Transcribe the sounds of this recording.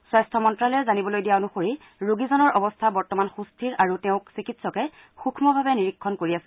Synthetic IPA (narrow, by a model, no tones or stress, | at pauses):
swajstʰɔmɔntɹalɛzanibɔlojdijaonuxoɹi | ɹuɡizɔnɔɹʔɔbɔstʰabɔɹtɔmanxustʰiɹaɹutɛʊ̃ksikitsɔkɛ | xukʰmɔbʱabɛniɹikʰːɔnkoɹiasɛ̥